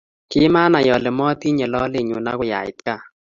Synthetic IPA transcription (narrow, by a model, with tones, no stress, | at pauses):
kɪ˦ma˦na˨jɔ˨lɛ˨mɔ˦t̪i˦ɲɛ˨lɔ˦lɪ˨ɲʊ˨na˦kʊ˦ja̰˨ɪ̰˨t̪̚ka˦˨